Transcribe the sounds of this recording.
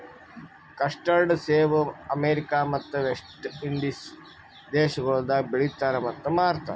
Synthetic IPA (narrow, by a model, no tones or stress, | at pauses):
kɐʂʈɐlɖseːʋɐɐmeːɾikaːmɐt̪ːɐʋesʈiɳɖis | d̪eːʃɐɡɐɭud̪ɐbeɭit̪ːaːɾɐmɐt̪ːɐmaːɾt̪ʰɐ̰